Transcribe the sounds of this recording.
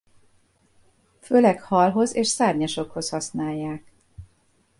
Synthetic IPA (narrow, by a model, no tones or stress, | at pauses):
føːlɛkhɒlɦo̞zeːʃsaːrɲɒʃo̞kho̞shɒsnaːjːaːk